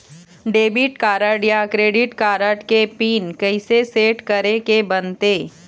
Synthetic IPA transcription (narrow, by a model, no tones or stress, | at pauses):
ɖeːbɪʈkaːɾəɖijakɾeːɖɪʈkaːɾəʈkepiːnkɐɪseseːʈkəɾekebənt̪eː